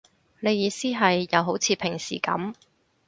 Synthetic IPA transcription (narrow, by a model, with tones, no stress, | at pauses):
ne˨˧jiː˨˧siː˥ɦɐ˨jːɐ˨˧wɦo˨˥wt͡sʰiː˨˧pʰɪ˨˩ŋsḭː˨˩kɐ̰˨˥m